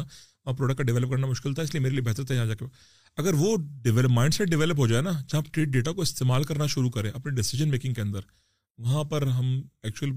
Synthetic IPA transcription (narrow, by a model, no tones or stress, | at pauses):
aʋɐãpɾoːɖəkʈːkaɖɪʋɛːləp̚kɐɾnamʊʃkɪlt̪ʰaɪsliemeːɾeliebɛɦt̪əɾt̪ʰaɦãːd͡ʒaːkea | ɐɡəɾʋoɖɪʋɛləpmaːɪ̃ɳɖsɛʈ̚ɖɪʋɛːləp̬ɦod͡ʒaːenaːd͡ʒɐɦãpʈɾiːʈ̚ɖeːʈakoɪst̪eːmaːlkɐɾnaʃʊɾukɐɾẽːʔɐpneɖɪsɪʒənmeːkɪ̃ŋɡkeɐ̃nd̪əɾ | ʋɐɦãpɐɾɦɐmɛːk̚t͡ʃuəl